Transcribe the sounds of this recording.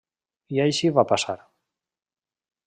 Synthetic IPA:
jajɕivapasa̰ɾ

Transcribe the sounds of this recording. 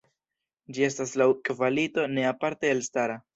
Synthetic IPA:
d͡ʒie̞staslawkvalito̞ne̞apaɾte̞ːlstaɾa

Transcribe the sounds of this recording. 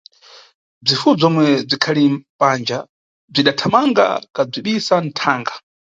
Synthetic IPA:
b͡ʐifub͡ʐɔmwɛb͡ʐʷikʰalimpand͡ʒa | b͡ʐʷiɗatʰamaŋɡa̰kab͡ʐiɓisan̩tʰaːŋɡa

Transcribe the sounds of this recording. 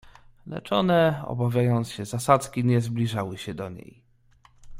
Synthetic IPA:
lɛ̰t͡ʂɔnɛɔ̰bavʲjajɔnt̪ɕɛzasat̪skʲiɲɛzblʲiʐawɘɕɛd̪ɔɲḛj

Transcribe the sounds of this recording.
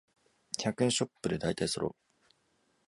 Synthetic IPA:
çʲakɯ̟̃ɰ̃ɕo̞pːɯ̟d̪e̞d̪ait̪aisoɾo̞̰

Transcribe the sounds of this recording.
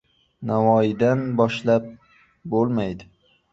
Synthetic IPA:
navɒjɪd̪anbɒʃlap̚ | bolˠmajd̪ɪ

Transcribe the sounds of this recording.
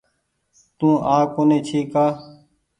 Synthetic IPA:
t̪ũːʔaːkoːnẽːt͡ʃʰiːkaː

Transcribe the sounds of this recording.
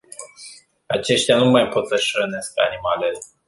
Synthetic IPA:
at͡ʃe̞ʃt̪ʲjanumajpo̞t̪səʃɾəneskəanimale

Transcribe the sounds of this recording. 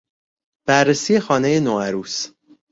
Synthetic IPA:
b̥ærːesiːje̞xɒːne̞je̞noæɾuːs

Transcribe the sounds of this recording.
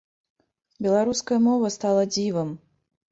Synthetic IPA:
bʲɛlˠaɾuskɐjɐmɔvɐst̪alˠɐd͡zʲivɐm

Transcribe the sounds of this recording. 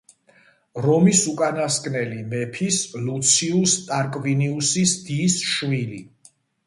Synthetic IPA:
ɾɔmisukʼanaskʼnɛlimɛpʰislut̪sʰiust̪ʼaɾkʼviniusisd̪isʃvili

